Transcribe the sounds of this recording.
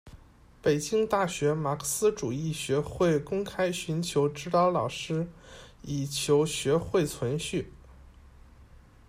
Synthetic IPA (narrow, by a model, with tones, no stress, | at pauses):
pe˨˩ɪt͡ɕi˥ŋt̪a˥˩ɕɥɛ˧˥ma˨˩kʰə˧˩sɹ̩˥ʈ͡ʂu˨˩i˥˩ɕɥɛ˧˥xwe˥˩ɪkʊ˥ŋkʰa˥ɪɕy˧˥nt͡ɕʰjo˧˥ʊʈ͡ʂɻ̩˥t̪ɑ˥ʊlɑ˨˩ʊʂɻ̩˥i˨˩t͡ɕʰjo˧˥ʊɕɥɛ˧˥xwe˥˩ɪt͡sʰwə˧˥nɕy˥˩